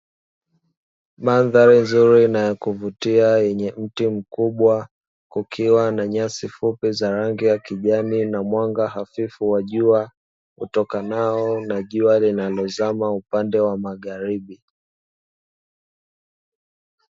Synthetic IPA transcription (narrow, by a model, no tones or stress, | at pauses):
manðaɾinzuɾinajɔkuvutiajɛɲɛm̩tim̩kuɓwa | kukʰiwanaɲasifupizaɾaŋɡijakiʄaminamwaŋɡaɦafifuwaʄua | ṵtɔkanaɔnaʄualinalɔzamaupandɛwamaɣaɾiɓi